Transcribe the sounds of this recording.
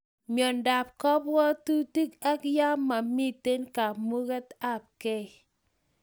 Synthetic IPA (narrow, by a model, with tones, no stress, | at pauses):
mjɔ˨nda˨p̚kɔ˦p̚wɔ˦tu˦ti˦ka˦kja˦ma˨mi˦te˦nka˨mu˦ɣɛ˦ta˦˨p̚kɛ˦˨